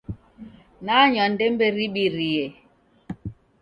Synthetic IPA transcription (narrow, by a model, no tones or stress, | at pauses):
naɲɔn̩dembeɾiɓiɾije